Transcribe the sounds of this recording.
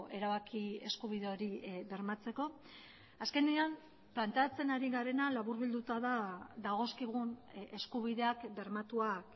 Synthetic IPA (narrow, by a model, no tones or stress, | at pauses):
e̞ɾaβakie̞skuβ̞iðe̞o̞ɾibe̞ɾmat͡se̞ko̞ | aske̞neam | plant̪eat͡se̞naɾiɣaɾe̞nalaβuɾβild̪ut̪aðaðaɣ̞o̞skiɣ̞une̞skuβ̞iðe̞akbe̞ɾmat̪uak